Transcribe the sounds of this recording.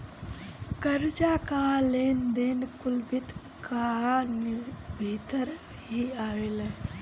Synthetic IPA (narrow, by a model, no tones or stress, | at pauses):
kəɾd͡ʒakaːleːnd̪eːnkʊlbɪt̪ | kaanɪbʱiːt̪əɾ | ɦiaːweːlɛ